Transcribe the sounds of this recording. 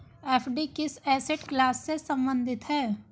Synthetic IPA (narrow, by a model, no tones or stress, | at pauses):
ɛːpʰɖikɪsɛːseʈklaːsːesə̃mbə̃nd̪ʱɪt̪ɦɛː